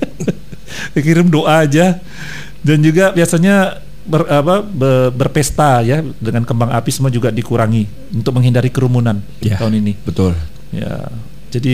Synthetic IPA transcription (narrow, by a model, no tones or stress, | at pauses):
əkiɾɪmdoʔad͡ʒa | dand͡ʒuɡabiasaɲa | bərapabəbərpɛst̪ajadəŋankəmbaŋapisəmuad͡ʒuɡadikuɾaŋi | unt̪ʊk̚məŋɦindaɾikəɾumunan | at̪auninibət̪ʊl | ja̰ | d͡ʒadi